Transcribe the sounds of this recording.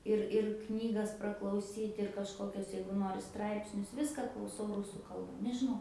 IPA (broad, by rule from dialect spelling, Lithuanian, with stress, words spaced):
ˈɪr ɪr ˈknʲiːɡɐs prɐklˠɐʊˈsʲiːtʲ ɪr kɐʃˈkoːkʲoːs ˈjɛɪɡʊ ˈnoːrʲɪ ˈstrɐɪpʲsʲnʲʊs ˈʋʲɪskɑː klˠɐʊˈsɐʊ ˈrʊsuː ˈkɐlˠbɐ nʲɛʒʲɪˈnɐʊ